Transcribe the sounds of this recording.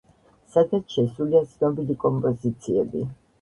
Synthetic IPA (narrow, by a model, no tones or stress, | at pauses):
sad̪at̪ʃɛsuliat̪sʰnɔbilikʼɔmpʼɔzit̪sʰiɛbḭ